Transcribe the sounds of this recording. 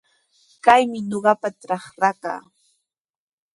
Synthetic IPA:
kajmɪɲoɢɑpaʈ͡ʂɑχɾaka̰ː

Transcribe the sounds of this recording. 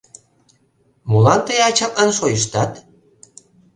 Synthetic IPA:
mulɑnt̪əjɑt͡ɕɑlɑnʃojəʃt̪ɑt̪

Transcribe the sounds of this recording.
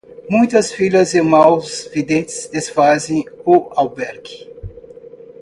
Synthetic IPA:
mũj̃t̪ɐsfilɐzemawzvid̪ẽnt̪ɪ̥zesfazẽj̃ʊawbɛɾɡi̥

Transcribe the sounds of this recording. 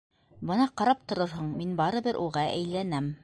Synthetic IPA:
bɤnɑqɑɾɑp̚t̪ŏɾɤɾɦɤɴminbɑɾɤ̆bɤɾʔuʁɑʔæ̰jlænæm

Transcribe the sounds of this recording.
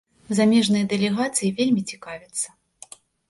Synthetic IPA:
zamʲɛʐnɨjɐd̪ɛlʲɛɣat̪sɨjivʲelʲmʲit͡sʲi̥kavʲɪt̪sːɐ̥

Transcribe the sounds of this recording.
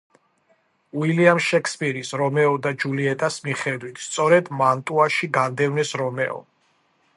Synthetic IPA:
uiliamʃɛkʰspʼiɾisɾɔmɛɔd̪ad͡ʒuliɛt̪ʼasmiχɛd̪wit̪ʰst̪sʼɔɾɛd̪mant̪ʼuaʃiɡand̪ɛvnɛsɾɔmɛɔ̰

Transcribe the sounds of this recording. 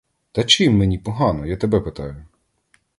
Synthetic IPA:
t̪ɐt͡ʃɪmːenʲipɔɦɑnɔjat̪ɛbɛpet̪ɑjʊ

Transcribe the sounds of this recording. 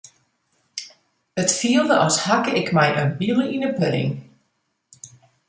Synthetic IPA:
ətfiəlˠdəʔɔshakəɪkmɛjʔənbilˠəinəpø̰ːŋ

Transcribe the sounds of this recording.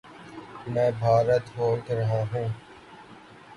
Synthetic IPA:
mɛ̃ːbʱaːɾət̪ɦoːlk̪ɾɐɦaːɦũː

